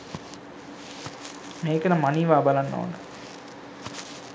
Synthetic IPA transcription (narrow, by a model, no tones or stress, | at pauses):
meːkənɐmaniːʋaːbalanːo̰ːnə